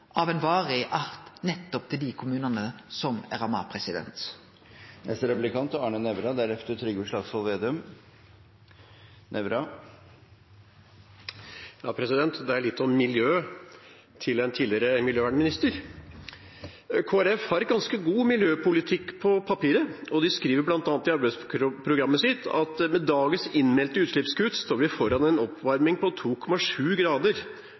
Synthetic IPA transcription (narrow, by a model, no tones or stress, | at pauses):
ʔɑʋɛnʋɑːɾɪʔɑɾt̪nɛt̪ːɔp̚t̪ʰɪld̪ɪkʰʊmʉːnɑnəsɔmæ̰ɾɑmɑ̰pʰɾɛsɪd̪ɛ̰nt̪ | nɛ̰st̪əɾɛplɪkʰɑnt̪ɑːɳənɛʋɾɑd̪æɾɛft̪ət̪ʰɾʏɡəʂlɑːɡsɑlʋeːd̪ʉm | nʔɛʋɾɑ | jɑːpʰɾɛsɪd̪ɛnt̪d̪ɛæɭɪt̪ːɔmːɪljøː | t̪ʰɪlɛnt̪ʰiːlɪɾəmɪljøːʋæɳmɪnɪst̪əɾ | kʰoːæɾɛfhɑɾɛɡɑnskəɡuːmɪljøːpʊlɪt̪ʰɪkːpʰɔpʰɑpiːɾəɔd̪ɪskɾiːʋəɾblɑnt̪ɑːnt̪ɪɑɾbæɪsɾʊpʰɾʊɡɾɑmːəsɪt̪ʰɑ̰t̪mɛd̪ɑːɡəsɪnmɛlt̪əʉːt̪ʂɭɪpskʉt̪st̪oːɾʋɪfɔɾɑnɛnɔpʰʋɑɾmɪŋpɔt̪ʰuːkʰɔmɑʂʉːɡɾɑːd̪əɾ